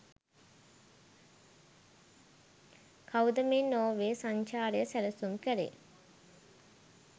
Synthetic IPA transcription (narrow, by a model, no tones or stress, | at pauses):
kʰawud̪əmennːoːʋeːsaɲt͡ʃaːɾijəsælɐsumkəɾḛː